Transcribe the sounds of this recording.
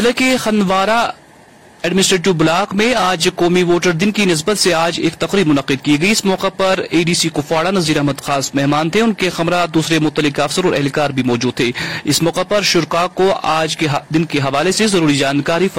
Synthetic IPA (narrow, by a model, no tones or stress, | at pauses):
lekexɐnʋaːɾa | ɛːɖmɪnɪsʈɾeːʈ̬ɪʋbʊlaːqmẽaːd͡ʒkɔːmiʋoːʈəɾd̪ɪnkinɪs̬bət̪seaːd͡ʒeːk̚t̪ɐqɾiːbmʊnɐqɪd̪̚kiɡɐiɪsmɔːqepɐɾeːɖiːsikʊfaːɽanɐziːɾɐɦməd̪xaːsmɛɦmaːnt̪ʰeʊnkexɐmɾad̪uːsɾemʊt̪ːəlɪkɐfsəɾɔːɾɛ̰ɦlkaːɾbʱimɔːd͡ʒuːd̪̚t̪ʰeːɪsmɔːqepɐɾʃʊɾqakoaːd͡ʒkeɦd̪ɪnkeɦɐʋaːlesezɐɾuːɾid͡ʒaːnkaːɾif